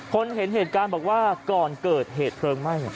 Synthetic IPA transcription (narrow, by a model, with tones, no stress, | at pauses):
kʰo˧nɦe˩˦nɦeː˨˩t̪̚kaː˧nbɔː˨˩k̚waː˥˩kɔː˨˩nkɤː˨˩t̪̚ɦeː˨˩t̪̚pʰɾɤː˧ŋma˥˩jɔ˨˩